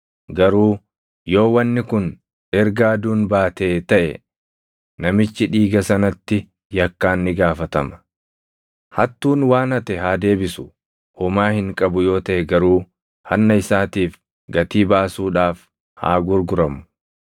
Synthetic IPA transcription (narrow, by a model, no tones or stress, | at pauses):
ɡɐɾuː | jo̞ːwɐnːɪkʊn | ᶑɛɾɡaːd̪uːnbaːt̪eːt̪ɐʔɛ̰ | nɐmɪt͡ʃːɪᶑiːɡɐsɐnɐt̪ːɪ | jɐkːaːnːɪɡaːfɐt̪ɐmɐ̥ | hɐt̪ːuːnwaːnɐt̪ɛɦaːd̪e̞ːbɪsʊ̥ | ʔʊmaːhɪŋkʼɐbʊjo̞ːt̪ɐʔɛɡɐɾuː | hɐnːɐɪsaːt̪iːf | ɡɐt̪iːbaːsuːᶑaːf | ha̰ːɡʊɾɡʊɾɐmʊ̥